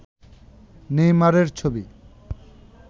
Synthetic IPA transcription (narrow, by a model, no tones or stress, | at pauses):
nejmaɾeɾt͡ɕʰobi